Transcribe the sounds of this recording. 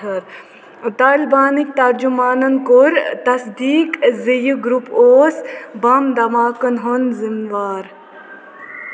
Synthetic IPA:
ɐɾ | t̪aːlbaːnik̚t̪ɐɾd͡ʒumaːnɐnkuɾt̪ɐsd̪iːkzijɡɾupoːsbɐmd̪ɐmaːkɐnɦonzinʋaːɾ

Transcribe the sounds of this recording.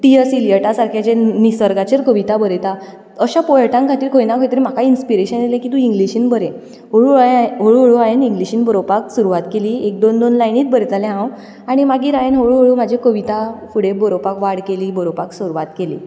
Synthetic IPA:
ʈ̪ijəsilijəʈasaɾkʰat͡ɕẽnisəɾɡat͡ɕeɾkəʋit̪abəɾet̪a | əɕapɔjəʈãŋkʰat̪iːɾkʰojnakʰojt̪əɾim̤akʰainspiɾeɕənelẽkit̪ũiŋɡliɕiːnbəɾe | ɦoɭuɦoɭuɦoɭuajeniŋɡliɕiːnbəɾopaksuɾuʋat̪keliːek̚d̪ond̪onlajniːt̪̚bəɾt̪alẽɦãw | aɽ̃imaɡiːɾajenɦoɭuɦoɭuːm̤ad͡ʑʱekəʋit̪afuɽebəɾopakʋaɽkeliːbəɾopaksuɾuʋat̪kelḭː

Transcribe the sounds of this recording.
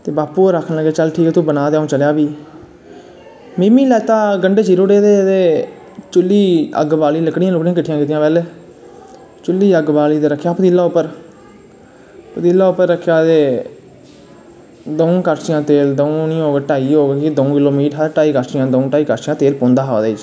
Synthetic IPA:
t̪eːbaːpːuːoɾakʰːənləɡeːt͡ʃəlʈʰiːkːt̪ũbənaːd̪eːaũːt͡ʃəljaːbiː | miːmiːlɛːt̪aːɡəɳɖeːt͡ʃiɾoːɽeːd̪eːt̪eː | t͡ʃʊlːiːə̰ɡbaːliːləkɽɪjãlʊkɽĩãkəʈʰːɪjãːkiːt̪ijãːpɛːleː | t͡ʃʊlːiːəɡbaːliːt̪eːɾəkʰːjaːpəd̪iːlːaːʊpːəɾ | pəd̪iːlːaːʊpːəɾːəkʰːjaːd̪eː | d̪oũkəɾt͡ʃɪjãːt̪eːld̪oũnĩːoːɡeʈaːiːɦoːɡekid̪oũːkɪloːmiːʈɦəɾʈaːiːkəɾt͡ʃijãːd̪oũːʈaːiːkəɾt͡ʃɪjãːt̪eːlpõːnd̪aːɦaːd̪eːɪt͡ʃ

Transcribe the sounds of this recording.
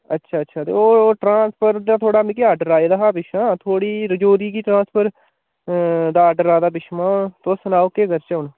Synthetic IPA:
ətːʃʰaːətːʃʰaːt̪ḛːoːʈɾãːspʰəɾd̪aːt̪ʰoːɽaːmĩkiaːɖəɾaːed̪aːɦaːbɪʃmaːt̪ʰoːɽiːɾəd͡ʒoːɾiːkiːʈɾãːspʰəɾ | d̪aːaːɖəɾaːd̪aːpɪʃmãːt̪osənaːokeːɡəɾt͡ʃəʊnː

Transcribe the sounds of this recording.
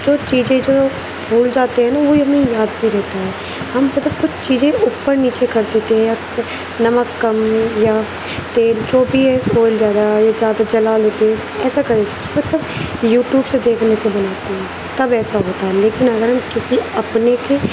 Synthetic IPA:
d͡ʒoːt͡ʃiːzẽd͡ʒoː | bʱuːld͡ʒaːt̪eɦɛ̃naʋoiɦɐmẽjaːd̪ĩɾɛɦt̪aɦɛː | ɦɐmːɐt̪ləbkʊt͡ʃʰt͡ʃiːzẽʔʊpːəɾniːt͡ʃekɐɾd̪eːt̪eɦɛ̃ja | nɐməkːɐmja | t̪eːld͡ʒoːbʱiɛkoːld͡ʒjaːd̪ajazjaːd̪ad͡ʒɐlaːleːt̪eɦɛ̃ | ɛːsakɐɾd̪eːt̪eɦɛmɐt̪ləbjuːʈjuːbsed̪eːkʰnesebɐnaːt̪eɦɛ̃ː | t̪ɐbɛːsaɦoːt̪aɦɛleːkɪnɐɡəɾɦɐmkɪsiɐpneke

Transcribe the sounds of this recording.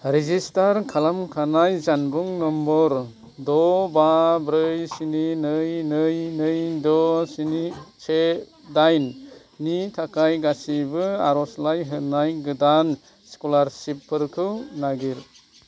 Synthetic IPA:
ɾezistaɾkʰalamkʰanajzanbuŋnɔmbɔɾ | dɔbabɾɯjsininɯjnɯjnɯjdɔsinit͡ʃʰe | dajnː | itʰakʰajɡasibɯa̰ɾɔslajɦɯnajɡɯdan | skɔlaɾsipʰːɯɾkʰɯwnaɡiɾ

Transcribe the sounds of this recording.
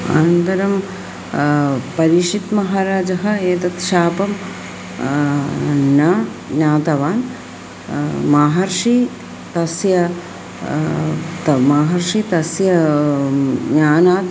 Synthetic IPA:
a̰nɐnt̪ɐɾɐm | pɐɾiʂit̪mɐɦaːɾaːd͡ʒɐɦɐ̆eːt̪ɐt̪ʃaːpɐm | nɐ | naːt̪ɐʋaːn | maːɦɐɾʂi | t̪ɐsjɐ | t̪maːɦɐɾʂit̪ɐsjɐ | ɲaːnaːt̪

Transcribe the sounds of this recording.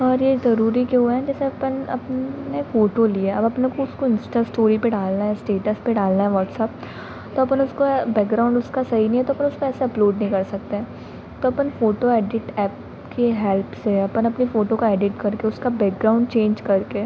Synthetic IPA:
ɔːɾjezɐɾuːɾikeɦueɦɛ̃d͡ʒɛːseɐpənɐ̰pnefoːʈolieɐbɐpnekoʊskoɪ̃nsʈasʈoːɾipeɖaːlnaɦɛ̃sʈeːʈəspeɖaːlnaɦɛ̃ʋɔːʈsɛːp̚ | t̪oɐpənʊskobɛːk̚ɡɾaːʊ̃ɳɖʊskasɐɦinɐɦĩɦɛ̃t̪oɐpənʊskoɛːseɐploːɖnɐɦĩkɐɾsɐk̚t̪eɦɛ̃ː | t̪oɐpənfoːʈoɛːɖɪʈɛːp | keɦɛːlpseɐpənɐpnifoːʈokaeːɖɪʈkɐɾkeʊskabɛːk̚ɡɾaːʊ̃ɳɖt͡ʃẽːɲd͡ʒkɐɾke

